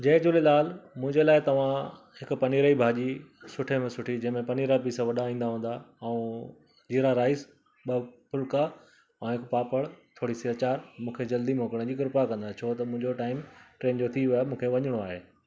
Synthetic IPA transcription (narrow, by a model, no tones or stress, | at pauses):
d͡ʑɐ̃ɦɪ̃d͡ʑʊlelaːlmʊ̃ɦɪ̃ɲd͡ʑelaːɪt̪ɐʋ̤ã | hɪkʊpɐniːɾaibʱaːd͡ʑisʊʈʰemẽsʊʈʰid͡ʑɐ̃ɦmẽpɐniːɾapiːsaʋɐɗaĩːn̆d̪aɦũːn̆d̪aɐũ | d͡ʑiːɾaɾaːɪs | ɓɐpʊlka | ɛ̃ɦɪkpaːpəɽt̪ʰoːɽisiət͡ɕaːɾmũːkʰed͡ʑɐld̪imoːkəɽ̃əd͡ʑiːkɪɾɪpakɐ̃nd̪at͡ɕʰoːt̪ɐmʊ̃ɦɪ̃ɲd͡ʑoʈaːɪmʈɾeːnd͡ʑot̪ʰiʋijamũːkʰeʋɐɲʊɽ̃oaːɦeː